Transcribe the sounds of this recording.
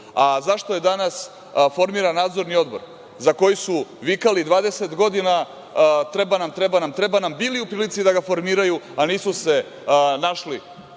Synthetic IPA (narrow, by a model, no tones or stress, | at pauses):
azaʃt̪oje̞d̪anas | fo̞ɾmiɾanːaːd̪zo̞ɾnio̞d̪bo̞̰ɾ | zako̞jisuʋikalid̪ʋaːd̪eset̪ɡo̞d̪ina | t̪ɾebanamt̪ɾe̞banamt̪ɾe̞banambiːliupɾiːlit̪sid̪aɡafo̞ɾmiːɾajuaniːsuse̞ | naʃli